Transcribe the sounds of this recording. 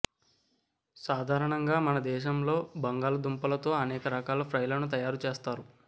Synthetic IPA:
saːd̪ʱaːɾɐɳɐŋɡaːmɐnɐd̪ɛːʃɐmlo̞ːbɐŋɡaːlɐd̪umpɐlɐt̪o̞ːɐnɛːkɐɾɐkaːlɐpʰɾɐjlɐnut̪̬ɐjaːɾut͡ʃeːst̪aːɾu

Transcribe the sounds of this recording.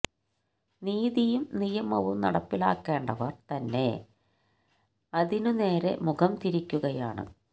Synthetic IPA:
niːðijumnijɐmɐʋumnɐ̰ɽɐpːila̰ːkːe̞ːɳɖɐʋɐrt̪ɐnːe̞̰ | ɐðinune̞ːɾe̞̰mukɐmt̪iɾikʲːuɣɐjaːɳɨ̰

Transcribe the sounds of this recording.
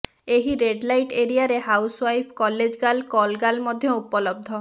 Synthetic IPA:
eɦiɾeɖlajʈeɾiaɾeɦawswajpʰkɔled͡ʒɡalkɔlɡalmɔd̪ʱjɔupɔlɔb̚d̪ʱɔ

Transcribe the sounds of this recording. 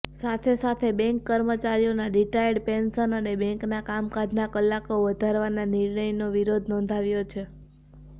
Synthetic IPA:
sat̪ʰesat̪ʰebɛ̃ŋkːəɾmət͡ʃaɾijonaɖiʈajɖpensənənebɛ̃ŋknakamkad͡ʒʱnakəlːakoʋəd̪ʱaɾʋananiɾɳəjnoʋiɾod̪ʱnɔ̃nd̪ʱaʋjot͡ʃʰe

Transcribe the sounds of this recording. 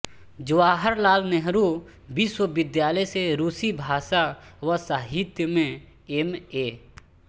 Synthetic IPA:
d͡ʒʊwaːɦəɾlaːlnɛɦɾu | biːswəbɪd̪jaːləjseɾuːsibʱaːʃaʋɐsaːɦɪt̪jəmẽ | emeː

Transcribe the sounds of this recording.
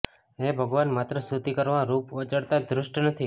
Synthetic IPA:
ebʱəɡʋanmat̪ɾəsut̪ikəɾʋaɾupət͡ʃəɽt̪ad̪ɾʊʃʈnət̪ʰi

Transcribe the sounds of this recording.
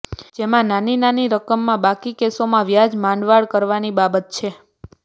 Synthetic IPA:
d͡ʒemãnaninaniɾəkəmːãbakikesomãʋjad͡ʒmanʋaɭkəɾʋanibabət̪̚t͡ʃʰe

